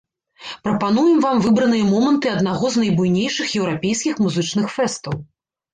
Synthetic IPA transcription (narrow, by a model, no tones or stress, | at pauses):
pɾɐpanujɛmvamvɨbɾɐnɨjɐmɔmɐnt̪ɨɐd̪naɣɔznɐjbujnʲejʂɨxjɛwɾapʲejskʲixmuzɨt͡ʂnɨxfɛst̪ɐw